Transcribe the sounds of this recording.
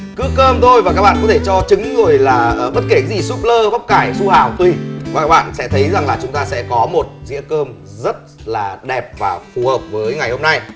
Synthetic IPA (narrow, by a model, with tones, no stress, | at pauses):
kɨ˨˦kəː˧mt̪ʰo˧jvaː˨˩kaː˦˥k̚ɓa̰ː˧˨˧kɔ˦t̪ʰe˧˩t͡ɕɔ˧t͡ɕɨ˨˦ŋzɨ˨˩əjlaː˨˩˨ɓə˦˥t̚ke˧˩ka˨˦zi˨˩su˦˥p̚ləː˧ɓa˦˥k͡p̚kaː˧˩jsu˧haː˧˩˨wt̪wi˧˩va˨˩kaː˦˥k̚ɓa̰ː˧˨nsɛ̰˧˥t̪ʰə˨˦jza˨˩ŋlaː˨˩t͡ɕʊ˨˦ŋ͡mt̪aː˧sɛ̰˧˥kɔ˨˦mo˨˩t̚zḭ˧˥əkəː˧m | zə˦˥t̚ | laː˨˩ɗɛ˨˩p̚vaː˨˩fu˨˩həː˨˩p̚vəː˨˦jŋa˨˩jho˧mna˧j